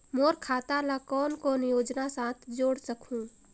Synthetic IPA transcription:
moːɾkʰaːt̪alakɔːnkonjoːd͡ʒnasãːt̪ʰd͡ʒoːɽsəkʰũː

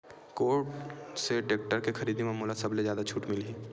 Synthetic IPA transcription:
koːɾʈseʈeːk̚ʈəɾkexɐɾiːd̪imamuːlasɐblezjaːd̪at͡ʃʰuːʈmɪliiː

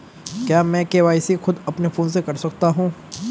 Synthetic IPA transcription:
kjaːmɛ̃ːkeʋaːɪsixʊd̪ɐpnefoːnsekɐɾsɐkt̪aɦũː

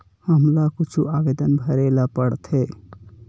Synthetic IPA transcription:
həmlakut͡ʃʰuaɡed̪ənbʱəɾelapəɽt̪ʰe

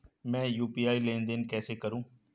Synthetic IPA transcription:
mɛ̃ːjuːpiːaːilẽːnd̪enkɛːsekəɾũː

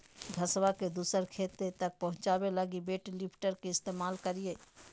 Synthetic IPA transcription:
ɡʱɐswaked̪uːsəɾkʰeːt̪et̪ɐk̚pɐɦʊ̃t͡ʃaːweləɡibeːʈlɪpʰʈəɾkiɪst̪eːmaːlkəɾieː

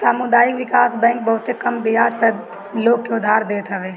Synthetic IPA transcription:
saːmʊd̪aːjɪkʋɪkaːsbɛ̃ːŋk̚bɐɦʊt̪ekɐmbɪjaːd͡ʒpəɾ | loːɡ̚keʊd̪ʱːaːɾd̪eːt̪aʋeː

